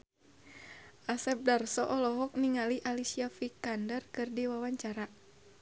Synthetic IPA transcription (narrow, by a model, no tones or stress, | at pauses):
ʔasɛp̚darsɔʔɔlɔɦɔk̚niŋaliʔalisiafikandərkɨrdiwawaɲt͡ʃaɾa